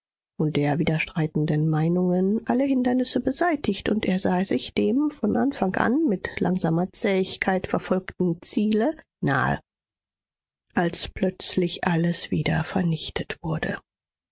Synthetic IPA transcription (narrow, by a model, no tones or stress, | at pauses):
ʔʊnt̚d̥eːɐviːdɐʃtʁ̥aɪtn̩dənmaɪnʊŋənʔaləɦɪndɐnɪsəbəzaɪtɪçtʊntʔeːɐzaːzɪçd̥eːmfɔnʔanfaŋʔa̰nmɪtlʔaŋzaːmɐt͡sɛːɪçkʰaɪtfɛɐfɔlktn̩t͡siːlə | na̰ːə̰ | ʔalspl̥œt͡slɪçʔaləsv̥iːdɐfɛɐnɪçtʰətv̥ʊɐdə̰